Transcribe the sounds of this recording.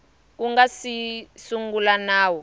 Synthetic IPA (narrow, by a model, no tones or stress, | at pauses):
k̬uŋɡasisuŋɡulanaːwɔ